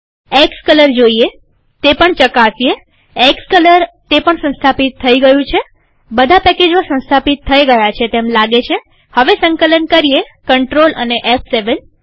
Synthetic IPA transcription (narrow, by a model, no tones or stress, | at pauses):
ekskələɾd͡ʒoie | t̪epəɳt͡ʃəkasie | ekskələɾt̪epəɳsə̃st̪ʰapit̪ʰːəiɡəjũt͡ʃʰe | bəd̪ʱapɛked͡ʒmasə̃nst̪ʰapit̪ʰːəjɡəjat͡ʃʰet̪emlaɡet͡ʃʰe | həʋesəŋkələnkəɾie | kəɳʈɾolʔə̰neʔɛpʰseʋən